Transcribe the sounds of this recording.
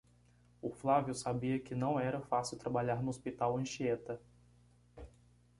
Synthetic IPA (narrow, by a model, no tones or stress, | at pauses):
ʊflavjʊsabiɐkɪnɐ̃w̃ɛɾɐfasɪwt̪ɾabaʎaɾnʊospit̪awɐ̃ʃiet̪ɐ